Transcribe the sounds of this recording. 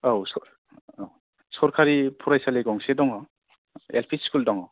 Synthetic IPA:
awsɔ | sɔɾkʰaɾipʰuɾajsaleɡɔŋsedɔŋɔ | ḛlpʰiskuldɔŋɔ

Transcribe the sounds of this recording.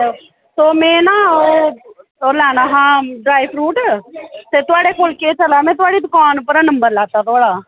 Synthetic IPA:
soːmɛ̃ːnaːoː | oːlɛːnaːɦãːɖɾaːipʰɾuːʈt̪eːt̪ʊaːɽeːkoːlkeːt͡ʃəlaːmɛ̃ːt̪ʊaːɽiːd̪ʊkaːnpəɾanəmbəɾlɛːt̪aːt̪ʊaːɽaː

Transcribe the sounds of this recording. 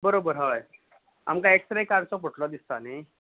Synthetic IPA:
bəɾobəɾɦəj | a̰mkaeksɾekaɾst͡sɔpəʈlɔd̪ist̪ane

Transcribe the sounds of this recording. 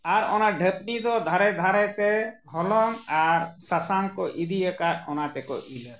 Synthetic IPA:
aɾɔ̰naɖʱəp̚ɖid̪ɔd̪ʱaɾɛd̪ʱaɾɛt̪ɛɦɔlɔŋaɾsasaŋkɔʔid̪iɛkaɾɔnat̪ɛkɔ̰ʔilɛɾ

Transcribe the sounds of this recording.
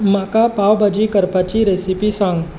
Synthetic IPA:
makapaːwbɐd͡ʒikəɾpat͡ʃiɾesipisãŋɡ

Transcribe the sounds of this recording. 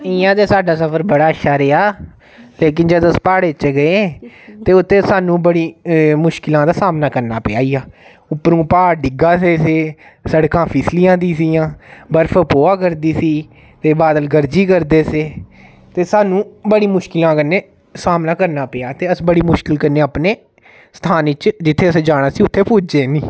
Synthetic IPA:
ɪːãːt̪eːsaːɖaːsəpʰəɾbəɽaːəʃʰaːɾeːaː | leːk̬ɪnd͡ʒəd̪əspaːɽeːt͡ʃeːɡəeːt̪eːʊt̪ʰːẽːsaːnũːbəɽiːmʊʃkɪlãːd̪aːsaːmnaːkəɾnaːpɪjaːiːaː | ʊpːɾũːpaːɾɖɪɡaːseːseː | səɽkãːpʰɪslijãːd̪iːsiːãːbəɾfʰəpoːaːkəɾd̪iːsiː | t̪eːbaːd̪əlɡəɾd͡ʒiːkəɾd̪eːseː | t̪eːsaːnũːbəɽiːmʊʃkɪlãːkəneː | saːmnaːkəɾnaːpɪjaːt̪eːəsbəɽiːmʊʃkɪlkəneːaːpneː | st̪ʰaːnɪt͡ʃd͡ʒɪt̪ʰːeːəsẽːd͡ʒaːɽ̃aːsiːʊt̪ʰːeːpuːd͡ʒeːniː

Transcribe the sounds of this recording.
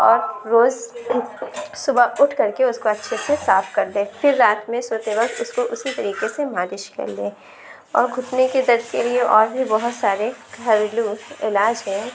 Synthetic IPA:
ɔːɾːoːz | sʊbaʊʈʰkɐɾkeʊskoɐtːʃʰesesaːfkɐɾd̪ẽːfɪɾːaːt̪mẽsoːt̪eʋɐkt̪ʊskoʔʊsit̪ɐɾiːqesemaːd̪ɪʃkɐ̰ɾlẽː | ɔːɾɡʱʊʈneked̪ɐɾd̪kelieʔɔːɾbʱibɐɦʊt̪saːɾekɐɾluɪlaːd͡ʒɦɛ̃ː

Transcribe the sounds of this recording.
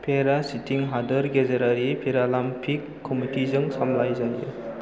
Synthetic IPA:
pʰeɾasitiŋɦadɐɾɡezeɾaɾipʰiɾalampʰikːɔmitizɯŋsamlajzajṵ

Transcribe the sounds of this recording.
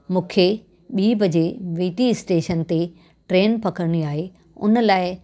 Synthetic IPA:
mũːkʰe | ɓiːbʱɐd͡ʑeʋiːʈiɪsʈeːʃənt̪e | ʈɾeːnpɐkəɾəɽ̃iaːɦe | ʊ̰nə̆laːɪ

